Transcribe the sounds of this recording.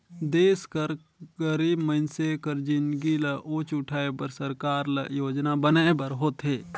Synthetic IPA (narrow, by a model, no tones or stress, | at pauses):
d̪eːskəɾ | ɡəɾiːbməɪnsekəɾd͡ʒɪ̃nɡilɐʔot͡ʃʊʈʰaːebəɾsəɾkaːɾlɐ̰joːd͡ʒnabənaːebəɾɦoːt̪ɦeː